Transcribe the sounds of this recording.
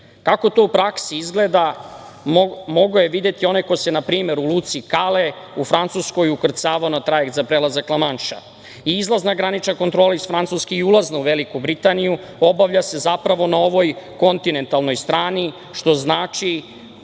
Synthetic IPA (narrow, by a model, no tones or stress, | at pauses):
kako̞t̪o̞upɾaksiizɡled̪a | mo̞ɡojeʋid̪e̞t̪io̞neko̞jsenapɾiːme̞ɾuluːt̪sikale | ufɾant̪susko̞jukr̩t̪saːʋaonat̪ɾajek̚t̪zapɾelazaklˠamanʃa̰ | iizlˠaznaɡɾanit͡ʃnako̞nt̪ɾoːlaisfɾant̪suskeiulˠaznauʋelikubɾit̪aniju | o̞baʋʎase̞zapɾaʋo̞nao̞ʋo̞jko̞nt̪ine̞nt̪alno̞jst̪ɾaːni | ʃt̪o̞znaːt͡ʃi